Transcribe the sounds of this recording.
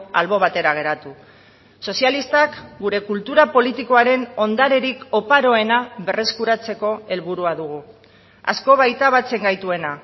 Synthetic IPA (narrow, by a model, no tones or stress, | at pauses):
alβo̞β̞at̪e̞ɾaɣ̞e̞ɾat̪u | so̞sialist̪akɡuɾe̞kult̪uɾapo̞lit̪iko̞aɾe̞no̞nd̪aɾe̞ɾiko̞paɾo̞e̞naβe̞re̞skuɾat͡se̞ko̞e̞lβuɾuaðuɣ̞u | a̰sko̞βajt̪aβat͡se̞ŋɡajt̪ue̞na